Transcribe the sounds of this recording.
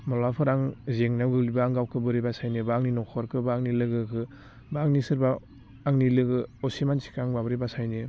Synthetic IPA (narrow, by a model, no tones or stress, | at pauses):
mɔlapʰɯɾaŋzeŋnaɡɯlibaːŋɡawkʰɯbɯɾibasajnɯbaŋninɔkʰɔɾkʰɯbaaŋnilɯɡɯkʰɯ | baŋnisɯɾbaː | ŋnilɯɡɯɔsimansʰi̥kʰaŋbabɯɾibasajnɯ